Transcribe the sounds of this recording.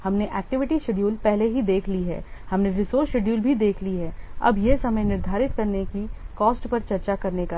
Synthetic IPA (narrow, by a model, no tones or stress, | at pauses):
hɐmneʔɛːk̚ʈɪʋɪʈiʃeɖjuːlpɛɦleɦid̪eːkʰliɦɛ̰ːhɐmneɾɪsoːɾʃeɖjuːlbʱid̪eːkʰliɦɛːɐ̰bjesɐməjnɪɾd̪ʱaːɾɪt̪kɐɾnekikɔːsʈpɐɾt͡ʃɐɾt͡ʃakɐɾneka